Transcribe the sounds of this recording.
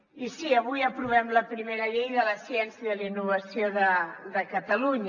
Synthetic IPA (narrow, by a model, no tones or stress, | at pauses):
isiəβujəpɾuβɛmləpɾimeɾəʎejðələsjɛnsjəðəlinːuβəsjoðəðəkət̪əluɲ